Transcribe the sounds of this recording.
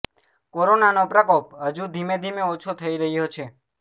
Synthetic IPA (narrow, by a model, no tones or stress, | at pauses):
koɾonanopɾəkop̚ɦəd͡ʒud̪ʱimed̪ʱimeot͡ʃʰot̪ʰəiɾəɦijot͡ʃʰe